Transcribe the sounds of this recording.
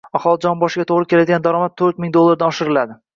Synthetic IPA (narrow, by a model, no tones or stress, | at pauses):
ɒχɒlˠɪd͡ʒɒnbɒʃɪɡʲat̪ʰoʁɾɪkʲʰe̞lad̪ɪɡʲand̪aɾɒmat̪ʰːɵɾt̪̚mɪŋd̪olˠːaɾd̪aɒʃɪɾɪlad̪ɪ